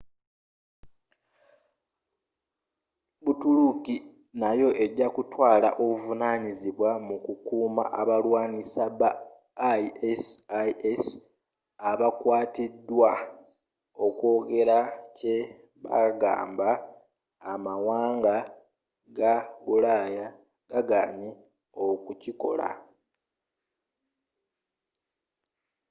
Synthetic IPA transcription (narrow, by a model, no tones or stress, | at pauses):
βutuluki | najo̞ʔe̞ɟːakutwaːla̰ʔo̞βuvunaːɲiziβwamukukuːma̰ʔaβalwaːnisaβa | iesaes | aβakwaːtidːwa | o̞ko̞ːɡe̞ɾace | βa̰ɡa̰ːmbaː | mawaːŋɡa | ɡaβulaja | ɡ̥aɡaːɲi | o̞kuciko̞̰la̰